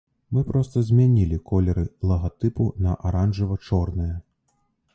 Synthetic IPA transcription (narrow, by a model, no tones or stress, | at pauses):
mɨpɾɔst̪ɐzʲmʲanʲilʲikɔlʲɛɾɨlˠɐɣat̪ɨpunɐʔaɾanʐɨvɐt͡ʂɔrnɨjɐ